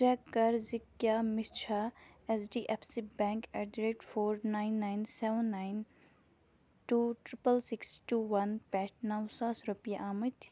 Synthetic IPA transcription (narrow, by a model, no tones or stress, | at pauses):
t͡ʃɛːkːɐɾzɪkjaːmɪt͡ʃʰaɛsɖiʔɛpʰsibɛ̃ːŋkɛɖɾeːʈfʰoːɾnaɪnːaːjnsɛʋənːaːjn | ʈuːʈɾɪpəlsɪksʈuːwɐnpɛːʈʰnɐwsaːsɾupijaʔaːmət̪